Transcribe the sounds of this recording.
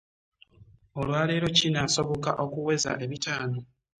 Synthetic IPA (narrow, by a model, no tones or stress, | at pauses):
o̞lwaːle̞ːɾo̞cinaːso̞βo̞kaʔo̞kuwe̞za̰ʔe̞βitaːno̞